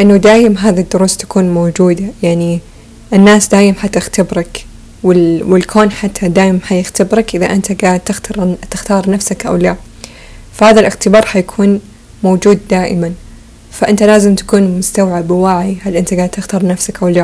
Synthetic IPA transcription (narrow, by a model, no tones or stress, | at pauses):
ʔɪnːad̪aːjɪmɦaːðid̪ːʊɾuːst̪ḁkuːnmoːd͡ʒuːd̪ajaʕni | ʔɪnːaːsd̪aːʔɪmħat̪ɪxt̪abɾɑk | wɪlwɪlkʰoːnħat̪ʰːad̪aːjɪmanħajɪxt̪abɾɑkʔɪðaʔɪnt̪aɡaːʕd̪̚t̪ɪxt̪ɑɾt̪ɪxt̪ɑːɾˤnafsakʔa̰wla | fahaːðalʔɪxt̪ɪbɑːɾˤhajakʰuːn | moːd͡ʒuːd̪d̪aːʔɪ̰man | faʔɪnt̪alaːzɪmt̪ḁkuːnmʊst̪awʕabwaʕihalʔɪnt̪aɡaːʕd̪̚t̪ːɪxt̪ɑːɾˤnafsakʔawla